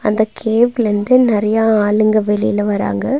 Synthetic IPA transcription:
ɐnd̪ɐkʰeːʋɪlɯnd̪ɯnɪɾɐjaaːlɯŋɡɐʋɛlɪjɪlɐʋɐɾa̰ːŋɡɐ

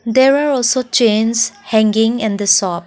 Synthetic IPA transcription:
dɛɹaɹɔlsot͡ʃẽnshɛ̃ŋɡɪ̃ŋɛ̃ndəsɔp̚

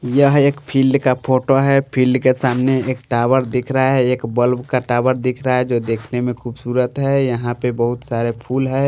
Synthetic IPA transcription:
jəɦeːkpʰilɖkapʰoːʈoɦɛpʰilɖkesaːmneeːk̚ʈaːwəɾd̪ɪkʰɾəɦaɦɛeːkbəlbkaʈaːwəɾd̪ɪkʰɾəaɦɛd͡ʒoːd̪eːkʰnemẽkʰuːbsuːɾət̪ɦɛjəɦãpebəɦʊt̪saːɾepʰuːlɦɛ

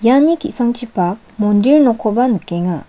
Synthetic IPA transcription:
jaɲikisʰʌŋt͡ɕʰipak̚mond̪iɭnokʰobanɯk͈ːeŋa

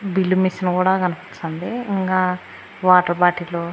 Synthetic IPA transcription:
bilːumisɐnkuːɽaːɡɐnɐpɐt͡ʃːɐnd̪iiŋkaː | ʋaːʈɐɾpaːʈiloː

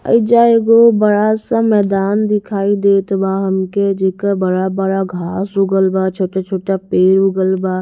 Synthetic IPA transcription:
ə̰id͡ʒaːeɡobəɽasãmɛːd̪aːnd̪ɪkʰaːid̪eːt̪baɦəmked͡ʒekəbəɾabəɾaɡʱaːsʊɡəlbat͡ʃʰoːʈat͡ʃʰoːʈapeːɾʊɡəlbaː

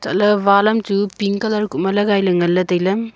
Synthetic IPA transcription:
tɐlɐβalɐmtupiŋkɐlaɾkumɐlɐɡajlɐŋɐlːɐdɐjlɐm

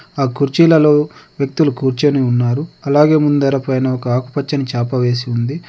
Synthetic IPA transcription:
aːkuɾt͡ʃiːlɐloːʋjɐk̚t̪ulukuɾt͡ʃɐniunːaːɾuɐlaːɡe̞ːmund̪ɐɾɐpɐjnɐɔkɐaːku̥pɐt͡ʃːɐnit͡ʃaːpɐʋe̞ːsiund̪i

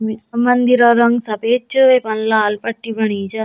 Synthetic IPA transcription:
misɐmbɐnd̪iɾɐɾɐŋɡsɐpeːt͡ʃːɯʋepɐnlaːlpɐʈːibɐɳid͡ʒɐ

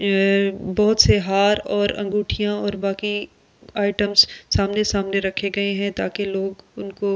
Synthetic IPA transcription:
bɔɦʊt̪seɦaːɾɔːɾɐ̰̃ŋɡuːʈʰijãɔːɾbaːki | aːɪʈəmzsaːmnesaːmneɾɐkʰeɡɐeɦɛ̃t̪aːkeloːɡʊnko

